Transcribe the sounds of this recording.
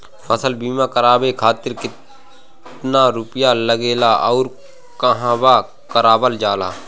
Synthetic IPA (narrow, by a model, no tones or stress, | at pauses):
məsəlbiːmãkəɾaːbekʰaːt̪ɪɾkɪ | naɾʊpjaləɡeːlaːɔːɾ | kəɦãːbaː | kəɾaːbəld͡ʒaːla̰ː